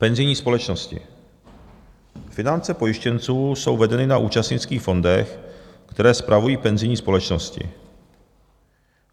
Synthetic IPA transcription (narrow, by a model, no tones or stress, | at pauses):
pɛnzɪjɲiːspo̞lɛt͡ʃnoscɪ̰ | fɪnant͡sɛpo̞jɪʃcɛnt͡suːso̞wvɛdɛnɪnaʔuːt͡ʃast̪ɲɪt͡skiːxfo̞ndɛxkt̪ɛɾɛːspɾʔavujiːpɛnzɪjɲiːspo̞lɛt͡ʃnoscɪ̰